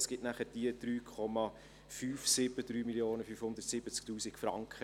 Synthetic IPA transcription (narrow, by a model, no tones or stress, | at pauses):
sɡ̥ɪtnæχəɾd̥iəd̪̥ɾyːkʰɔmɑ | fyːfsɪbəd̪ɾyːmiljoːnəfyfhʊnd̪ərtsɪbət͡sk̚tuːsɪkfɾɑŋkχə